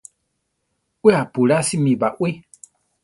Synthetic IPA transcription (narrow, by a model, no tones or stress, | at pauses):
weapuɾasimĩbaʔwʷe